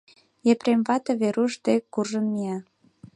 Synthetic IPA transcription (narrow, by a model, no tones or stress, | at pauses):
jepɾemβɑt̪ɤβeɾuʃd̪ekːurʒəmːiɑ